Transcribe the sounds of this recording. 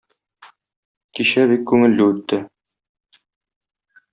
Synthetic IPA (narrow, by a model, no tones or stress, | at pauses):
kiɕæβikːʉŋɘ̆lːɘʉt̪ːɘ